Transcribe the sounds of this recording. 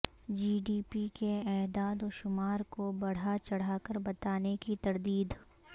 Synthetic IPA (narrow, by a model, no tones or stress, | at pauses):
d͡ʒiːɖiːpikeɛːd̪aːd̪oːʃʊmaːɾkobɐɽ̤at͡ʃɐɽ̤aːkəɾbɐt̪aːnekit̪ɐɾd̪iːd̪